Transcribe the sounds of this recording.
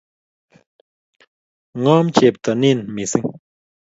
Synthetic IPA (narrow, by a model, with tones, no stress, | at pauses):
ŋɔ˦mt͡ʃe˨p̚t̪a˨ni˦˨nmi˨si˦ŋ